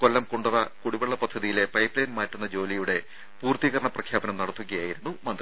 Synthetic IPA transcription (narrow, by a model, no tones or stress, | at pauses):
ko̞lːɐmkoɳɖuðɐkuɽibeɭːɐpɐd̪ʱːɐðijile̞pɐjpːlɐːnmaːʈːunːɐd͡ʑo̞ːlijuɽe̞ | puːrt̪iɣɐɾɐɳɐprɐkʰjaːbɐnɐmnɐɽɐt̪ːuɣɐjaːjiɾunːumɐnd̪rɐ